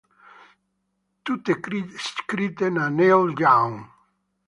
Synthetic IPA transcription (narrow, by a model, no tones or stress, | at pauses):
t̪ut̪eiskɾit̪enanewɟawŋ